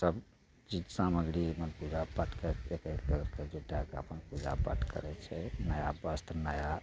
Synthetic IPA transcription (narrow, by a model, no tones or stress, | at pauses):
səb | d͡ʒit̪saməɡɽiemepud͡ʒʱabəʈkeekekəɾked͡ʒuɖakeə̰pənpud͡ʒa̰bə̰ʈkə̰ɾɛt͡ʃʰɛnəjabəst̪ʰnəja